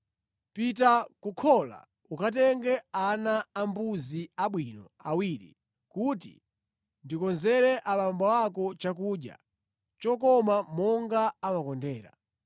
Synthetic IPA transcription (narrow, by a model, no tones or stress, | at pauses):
pitakukʰɔla̰ | ukat̬ɛŋɡɛanaːmbuziaɓwinɔ | awiːɾḭ | kutḭ | ndikɔnzɛɾɛʔaɓambawakɔt͡ʃakuːɗja̰ | t͡ʃɔkɔmamɔŋɡaːmakɔndɛːɾa̰